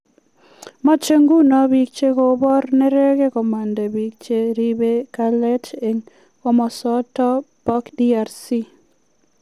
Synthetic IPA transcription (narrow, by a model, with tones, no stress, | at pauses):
mɔ˦t͡ʃe˦ŋɡu˦nɔ˨bi˨k̚t͡ʃe˦ko˨bɔ˦ɾne˦ɾe˦ke˦kɔ˨ma˨ndɛ˨bi˨k̚t͡ʃe˦ɾi˦be˦ka˦lɛ˦t͡ʃe˨ŋ | o˦mɔ˨sɔ˦tɔ˦bɔ˦kdi˦a˨ɾsi˦